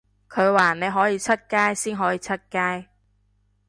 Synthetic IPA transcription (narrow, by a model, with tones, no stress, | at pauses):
kʰɵ˨˧ɥwaː˨˩ne˨˧jɦɔː˨˥jiː˨˧t͡sʰɐ˥t̚kaː˥jsiː˥nɦɔː˨˥jiː˨˧˥t͡sʰɐ˥t̚kaː˥j